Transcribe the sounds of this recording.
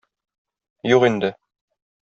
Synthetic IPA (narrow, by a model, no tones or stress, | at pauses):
juqind̪ɘ